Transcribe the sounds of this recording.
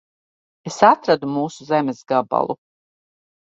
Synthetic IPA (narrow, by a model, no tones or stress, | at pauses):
esat̪ɾad̪umuːsuzemezɡaba̰lˠṵ